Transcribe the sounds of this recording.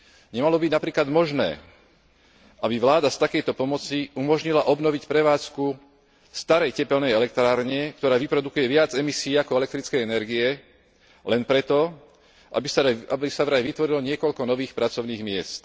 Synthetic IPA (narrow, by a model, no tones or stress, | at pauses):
ɲɛmalɔbiɟnapɾiːklad̪mɔʒnɛ̰ː | abiʋlaːd̪ast̪akɛjt̪ɔpɔmɔt͡siʔumɔʒɲilaʔɔbnɔʋicpɾɛʋaːt͡sku | st̪aɾɛjcɛpɛlnɛjɛlɛk̚t̪ɾaːɾɲɛkt̪ɔɾaːʋipɾɔd̪ukujɛʋɪad͡zɛmisiːakɔɛlɛk̚t̪ɾit͡skɛjɛnɛɾɡiɛ | lɛnpɾɛt̪ɔ | iabisaʋɾajʋit̪ʋɔɾilɔɲɪɛkɔʎkɔnɔʋiːxpɾat͡sɔʊniːɣmɪɛst̪